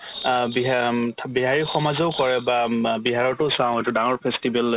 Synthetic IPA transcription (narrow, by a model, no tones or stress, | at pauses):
biɦʰbiɦaɹixɔmazɔʊkɔɹɛbabiɦaɹɔɹtʊʊsãw̃etudaŋɔɹpʰɛstibɛl